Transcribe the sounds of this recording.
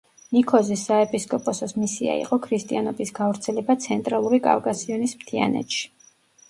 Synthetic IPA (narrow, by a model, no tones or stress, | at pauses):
nikʰɔzisːaɛpʼiskʼɔpʼɔsɔsmisia̰ḭqʼɔkʰɾist̪ʼianɔbisɡavɾt̪sʰɛlɛbat̪sʰɛnt̪ʼɾalˠuɾikʼa̰vkʼasiɔnismt̪ʰia̰nɛ̰t̪ʃi̥